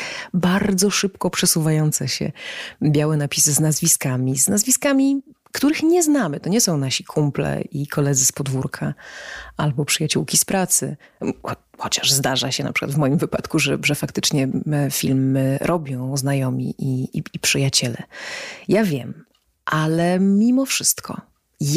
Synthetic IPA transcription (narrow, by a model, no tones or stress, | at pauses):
baɾd̪zɔʂɘpkɔpʂɛsuvajɔnt̪sɛɕɛ̰bʲjawɛnapʲisznazvʲiskamʲiznazvʲiskamʲi | kt̪uɾɘxɲɛznamɘt̪ɔɲɛsɔ̃w̃naɕikʰumplɛ̰ikʰɔlɛd̪zɘspɔd̪vuɾkʰaʔalbɔpʂɘjat͡ɕuwkʲispɾat̪sɘ̰xɔxɔt͡ɕaʐzd̪aʐaɕɛna̰pʂɘ̥kwa̰d̪vmɔjimvɘpat̪kuʐɛʐɛfakt̪ɘt͡ʂɲɛfʲilmɾʔɔbʲjɔ̃w̃znajɔmʲḭʔiipʂɘjat͡ɕɛlɛ̰javʲjɛm | ʔalɛmʲimɔfʂɘst̪kʰɔ̰ | j